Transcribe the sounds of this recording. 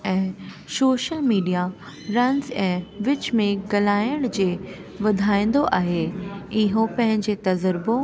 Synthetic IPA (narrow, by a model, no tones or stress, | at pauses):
ɛ̃ː | soːʃəlmiːɖija | ɾɐ̃nzɛ̃ːʋɪt͡ɕmẽɡɐlaːjəɽ̃d͡ʑeː | ʋɐd̪ʱaːĩːn̆d̪oʔaːɦeɪɦopɐ̃ɦɪ̃ɲd͡ʑet̪ɐzəɾɪbõ